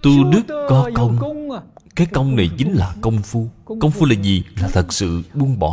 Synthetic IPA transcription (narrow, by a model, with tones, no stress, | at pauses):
t̪u˧ɗɨ˦˥k̚ːɔ˨˦kə˧wŋ͡m | kaː˨˦jkə˧wŋ͡mna˨˩jt͡ɕï˨˦ŋ̟laː˨˩kə˧wŋ͡mfu˧kə˧wŋ͡mfu˧laː˨˩zi˨˩laː˨˩t̪ʰə˨˩k̚sɨ̰˧˨ɓu˨˧ənɓɔ̰˧˨˦